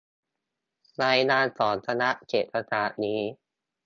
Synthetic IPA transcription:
ɾaː˧jnaː˧nsɔː˩˦nt̪ʰa˧na˦˥ʔkeː˨˩t̪̚pʰa˧saː˨˩niː˦˥

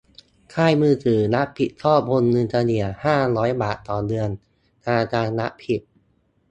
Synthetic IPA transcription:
kʰaː˥˩jmɯː˧˩t̪ɯː˨˩na˦˥pʰi˨˩t̪̚t̪ʰɔː˥˩pʰo˧nːɯ˧nt̪ʰaː˧ni˧˩ɐhaː˥˩ɾɔː˦˥jbaː˨˩t̪ːɔː˨˩dɯ˧ən | naː˧t͡ɕaː˧na˦˥ʔpʰi˨˩t̪̚

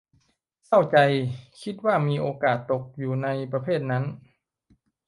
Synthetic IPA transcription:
kʰa˥˩wt͡ɕa˧jkʰi˦˥t̪̚waː˥˩miː˧ʔoː˧kaː˨˩t̪ːo˨˩k̚juː˨˩na˧jpɾa˧pʰeː˥˩t̪̚na˦˥n

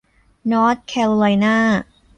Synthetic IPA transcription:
nɔː˦˥t̪̚kʰɛ˧lo˧la˧jnaː˥˩

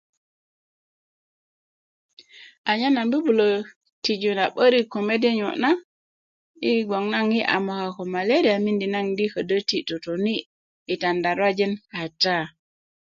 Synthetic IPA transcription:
ʔa˨ɲa˦na˨nbu˦bu˨lo˨ | ti˨d͡ʒu˨na˨ɓə˦ɾi˦ko˨me˦di˦ɲo̰˨na˦ | i˦ɡo˨ŋna˦ŋji˦ʔa̰˨mo˨ka˨ko˨ma˨le˦ɾi˨a˨mi˦ndi˨na˦ŋdi˦kə˨də˦ti˨to˨to˨ni˦ | i˨ta˨nda˨ɾwa˦d͡ʒi˦nha˨ta˦

